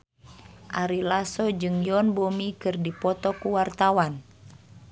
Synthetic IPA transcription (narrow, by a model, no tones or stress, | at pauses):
ʔaɾilasɔd͡ʒɨŋjɔnbomikɨrdipɔt̪ɔkuwart̪awan